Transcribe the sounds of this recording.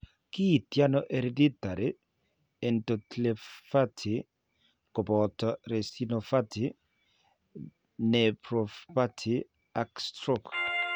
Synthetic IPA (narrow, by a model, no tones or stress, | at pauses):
kit̪janoʔeɾedit̪aɾe | entot̪lefat̪ʰi | kobɔt̪ɔɾesinofat̪ʰi | nepɾofpatʰi | akst̪ɾok